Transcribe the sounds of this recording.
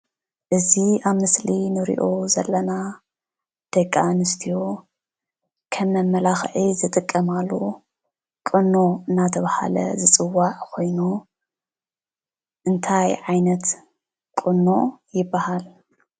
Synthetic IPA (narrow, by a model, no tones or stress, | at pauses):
ʔɨziaβmɨslinɨɾḭʔo̞zɐlːɐna | d̪̥ɐkʼːanɨst̪ʰijo | kʰɐmːɐmːɐlaxʕizɨt̪ʼɨkʼːɐmalːo | kʼɨnːo̞ɨnːat̪ʰɐβaha̰lɐ̰zɨt͡sʼɨwːaʕkʰo̞jnu | ʔɨnt̪ʰajʕajnɐt̪ | kʼɨnːo̞jɪbːahal